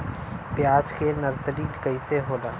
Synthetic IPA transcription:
pjaːd͡ʒkenɐɾsəliːkəiseɦoːlaː

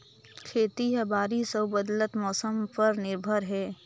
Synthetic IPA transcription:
kʰeːt̪iɦɛbaːɾisəbəd̪lət̪mɔːsəmpɐɾnɪɾbʱəɾɦɛː

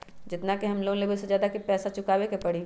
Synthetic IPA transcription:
d͡ʒɪt̪nakeɦɐmloːɡõlebesed͡ʒjaːd̪akipɛːsat͡ʃʊkaːwekepɐɽi

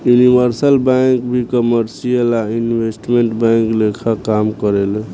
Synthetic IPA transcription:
junibʱəɾsəlbãŋkbʱikəməɾsijəlainbʱesʈmeɳʈbaŋklekʰakamkəɾel

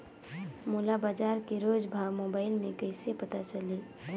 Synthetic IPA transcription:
mulabaːd͡ʒaːɾkeɾoːd͡ʒbʱaːwmoːbaːɪlmẽkəɪsepət̪at͡ʃəli

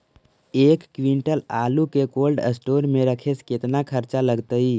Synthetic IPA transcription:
eːkːʋĩɳʈəlaːlukekoːlɖə̰sʈoːɾmẽɾəkʰeskɪt̪nakʰəɾt͡ʃaləɡt̪əi

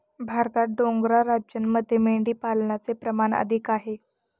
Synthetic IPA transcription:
bʱaɾt̪at̪̚ɖoŋɡɾaɾad͡ʑjənməd̪ʱːjemeɖiːpalnat͡sepɾəmanə̰d̪ʱikaɦe

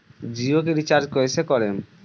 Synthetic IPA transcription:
d͡ʑiok̬eɾit͡ɕaɾd͡ʑkoɾet͡ɕʰekɔɾen

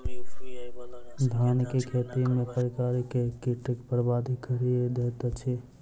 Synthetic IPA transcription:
d̪ʱankekʰet̪imepəɾikaːɾikekiʈikpəɾbad̪ʱikʰəɾid̪et̪t͡ʃʰi

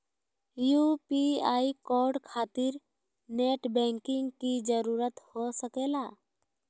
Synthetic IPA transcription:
jupiaːikɔːɾɖkʰaːt̪ɪɾ | neːʈbɛ̃ːŋkɪ̃ŋɡkid͡ʒəɾuːɾət̪hosəkeːlaː

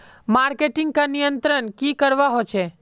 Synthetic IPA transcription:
maːɾkeʈɪ̃ŋɡ̚kanijənt̪ɾənkikəɾʋaɦot͡ʃʰe

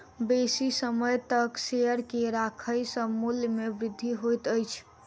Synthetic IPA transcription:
besisəməjt̪əksejəɾkeɾakʰəjsəmuljmebɾɪd̪ʱːiɦojt̪əjt͡ʃʰ

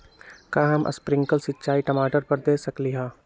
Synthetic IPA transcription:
kaːɦɐmʔɐ̰spɾɪ̃ŋkəlsɪtːt͡ʃaːiʈɐmaːʈəɾpɐɾd̪eːsɐkliɦãː

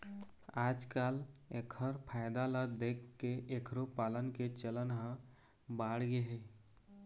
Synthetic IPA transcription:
aːd͡ʒkaːlekʰəɾpʰaːɪd̪aləd̪eːkʰːeʔekʰɾopaːlənket͡ʃələnɦə̃ | baːɽɡeɦe

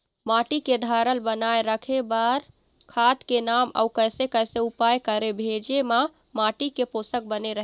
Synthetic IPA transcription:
maʈiked̪ʱaɾəlbənajɾəkʰebaɾ | kʰat̪kenama̰wkəsekəseupajkəɾebʱed͡ʒema | maʈikeposək̚bəneɾəɦ

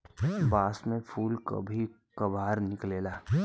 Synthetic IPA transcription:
baːsmẽpʰuːlkɐ̰bʱi | kɐbʱaːɾnɪkleːlaː

